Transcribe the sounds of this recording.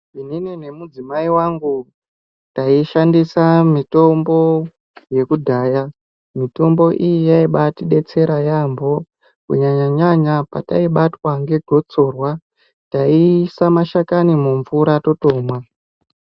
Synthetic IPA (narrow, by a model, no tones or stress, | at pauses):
ininine̞mud͡zimaiwaŋɡu | taiʃandisamito̞mbo̞ | je̞kudʱaːja | mito̞mbo̞ʔijijaiɓatiɗe̞t͡se̞ɾajambo̞ | kṵɲaɲaɲaɲapataiɓatwaŋɡe̞ɡʱo̞t͡so̞rwa | taisamaʃakanimuɱvuɾato̞to̞ːmwa